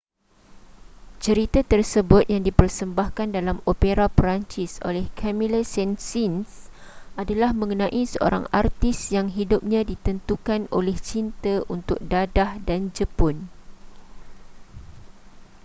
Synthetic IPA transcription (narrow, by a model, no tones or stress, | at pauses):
t͡ʃəɾit̪at̪ərsəbʊt̪̚jaŋdipərsəmbahkandalamopeɾapɾaɲt͡ʃiso̰lɛhkʰɛmĩləsɛnsinsʔadalahmə̃ŋənãʔisəʔo̰ɾa̰ŋa̰rt̪isjaŋɦidup̚ɲãdit̪ənt̪ukanʔo̰lɛht͡ʃint̪əʔunt̪ʊk̚dadahdand͡ʒəpʊn